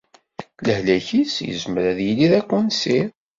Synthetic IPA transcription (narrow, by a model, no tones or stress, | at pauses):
ləhlæçisjə̰zməɾæðjiliðækʷːænsiɾ